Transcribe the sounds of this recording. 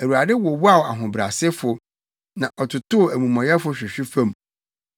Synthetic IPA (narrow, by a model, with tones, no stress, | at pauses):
æ˨wu˨a˨dɪ˦wɔ˨wa˦˨wa˨ɦʊ̃˨bɾa̰˨sɪ˦fʊ˨ | nã˨ʔɔ˨tʰʊ˨tʊ˦˨æ˨mũ˨mã˨jɛ˦fʊ˦ɕᶣɪ˨ɕᶣi˦fã˦˨m